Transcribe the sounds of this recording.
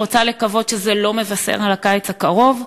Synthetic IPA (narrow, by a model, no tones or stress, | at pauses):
ot͡sale̞kavo̞dʃezelo̞me̞vasḛʁalakajet͡sakaʁo̞v